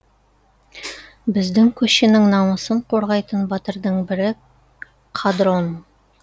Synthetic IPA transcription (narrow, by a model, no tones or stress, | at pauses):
bɘ̆zd̪ɘŋkɵ̆ɕɘ̆nɘŋnɑmɤ̆sɤɴquɾʁɑjt̪ɤnbɒt̪ɤ̆ɾd̪ɤɴbɘ̆ɾɘ | qʰɑd̪ron